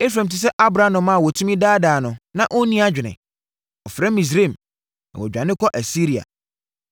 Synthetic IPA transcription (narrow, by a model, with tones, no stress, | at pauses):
e˦f̬ɾã˨m̩t̬ʰi˨s̬ɛ˦ʔa˦bɾa˦nʊ̃˨mã˦˨wɔ˨tʰũ˦mĩ˦daː˦daː˨nʊ̃˨nã˦ʔo˦nĩ˦a˦d͡ʑᶣɪ˨nɪ̰̃˨ | ɔ˨fɾɛ˦mĩ˨s̬ɾẽ˦˨m | nã̰˨wɔ̰˨d͡ʑᶣã˨nɪ̃˦kʰɔ˦ʔæ˨si˦ɾi˨a̰˨